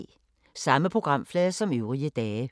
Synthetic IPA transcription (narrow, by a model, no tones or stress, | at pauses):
sɑ̈məpʰʁoɡ̥ʁɑ̈m̰flɛːsɒ̽møʊʁiəd̥ɛːə